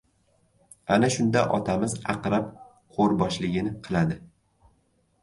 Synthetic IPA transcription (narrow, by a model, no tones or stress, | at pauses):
anaʃʊnd̪aʔɒt̪ʰamɪzɑqɾap̚ | qʰoɾbɒʃlɪɡʲɪnɪqʰɨlˠad̪ɪ